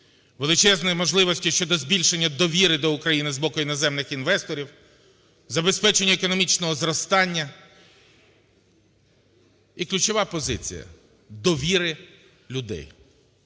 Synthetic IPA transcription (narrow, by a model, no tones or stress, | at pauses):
ʋelˠɪt͡ʃɛznɔjimɔʒlˠɪʋɔsʲtʲiʃt͡ʃɔd̪ɔzbʲilʲʃenʲːɐd̪ɔʋʲiɾɪd̪ɔʊkɾɐjinɪzbɔkʊinɔzɛmnɪxinʋɛst̪ɔɾʲiw | zɐbe̞spɛt͡ʃenʲːɐekɔnɔmʲit͡ʃnɔɦɔzɾɔst̪ɑnʲːɐ | iklʲʉt͡ʃɔʋɑpɔzɪt͡sʲḭjɐ̰ | d̪ɔʋʲiɾɪ | lʲʊd̪ɛ̰j